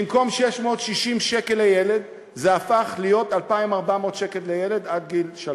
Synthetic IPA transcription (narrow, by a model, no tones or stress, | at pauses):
imko̞mʃeʃmo̞ːtʃiʃimʃeke̞lejele̞d | zeafaχlijo̞talpaimaʁbamo̞ːt̪ʃekellejele̞dadɡilʃal